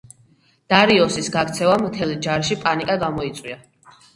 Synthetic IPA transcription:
d̪̥aɾiɔsisɡakt̪sʰɛvamt̪ʰɛlid͡ʒaɾʃipʼanikʼaɡamɔit̪sʼwia

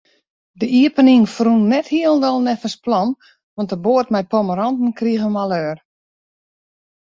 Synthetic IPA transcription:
dəiəpəniŋfrunnɛthiəlˠndɔlˠnɛfəsplɔn | ʋɔntəboətmɛjpɔməɾɔntn̩kriəɣəmalˠøːr

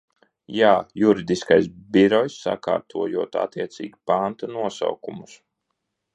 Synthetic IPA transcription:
jaːjuɾid̪iskajs̬biɾɔjsːa̰ka̰ːɾt̪ʰuɔjuɔt̪a̰t̪iɛt̪sḭːɡʲipant̪anuɔsa̰wkumus

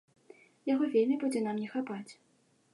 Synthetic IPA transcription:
jaɣɔvʲelʲmʲibud͡zʲɛnamnʲɛxapat͡sʲ

